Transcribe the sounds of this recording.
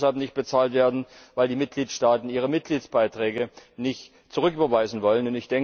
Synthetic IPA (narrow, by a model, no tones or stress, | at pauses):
shalpnɪçt̚b̥ət͡saːltv̥eːɐdn̩vaɪldiːmɪt̚ɡ̥liːtʃtaːtn̩iːʁ̞əmɪt̚ɡ̥liːt͡sb̥aɪtʁ̥ɛːɡənɪçt | t͡suʁ̞ʏkyːbɐvaɪzn̩vɔlənʊntɪçd̥ɛŋ